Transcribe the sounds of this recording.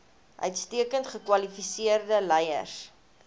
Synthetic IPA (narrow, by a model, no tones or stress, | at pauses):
ʔœ̰ɥtstiəkəntχəkwɐlifisiərdəlɛjə̰rs